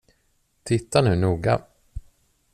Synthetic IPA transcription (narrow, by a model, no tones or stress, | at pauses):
t̪ʰɪt̪ʰːanʉ̟ːnuːɡa̰